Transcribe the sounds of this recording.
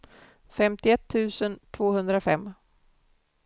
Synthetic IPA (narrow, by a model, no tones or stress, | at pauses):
fɛmt̪ɪɛt̪ʰːʉ̟ːsənt̪ʰvoːhɵnd̪ɾafɛ̰mː